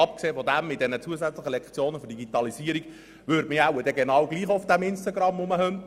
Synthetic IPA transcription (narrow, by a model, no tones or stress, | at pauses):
ɑp̚kseːfɔdæmːɪt̚d̥̪ɛnət͡suəzæt͡sləχəlɛkt͡sjoːnəfʏɾdiɡitɑliziəɾiɡ̥ | ʋʏːɾdmɪæwəd̥ɛɡenɑːwɡ̥liːχʊfd̥æmɪnstɑɡɾɑmːʊməhœnt